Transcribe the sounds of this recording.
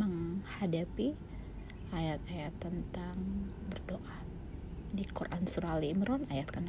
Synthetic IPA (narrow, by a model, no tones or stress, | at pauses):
məŋhadapi | ʔajat̪̚ajat̪ːənt̪aŋ | bərdoʔa | dikuɾʔansuɾaliməɾɔnajat̪̚kana